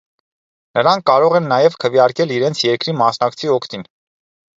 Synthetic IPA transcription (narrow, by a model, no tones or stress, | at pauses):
nəɾɑŋkːɑɾɔʁɛnːɑjɛvkʰəvjɑɾkɛliɾɛnt͡sʰjɛɾkɾimɑsnɑkt͡sʰiɔkʰt̪in